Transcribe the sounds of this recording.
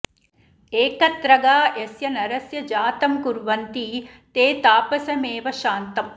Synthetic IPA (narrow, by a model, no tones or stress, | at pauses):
eːkɐt̪ɾɐɡaːesjɐnɐɾɐsjɐd͡ʒaːt̪ɐmkuɾʋɐnt̪iː | t̪eːt̪aːpɐsɐmeːʋɐʃaːnt̪ɐm